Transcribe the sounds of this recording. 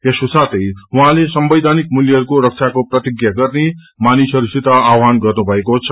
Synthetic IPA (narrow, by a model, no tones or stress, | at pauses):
esosat̪ʌjuɦãlesʌmbʌjd̪ʱanik̚muljʌɦʌɾukoɾʌk̚t͡sʰakoprʌt̪iɡjaɡʌrne | manisʌɾusit̪aawɦanɡʌrnubʱʌekot͡sʰʌ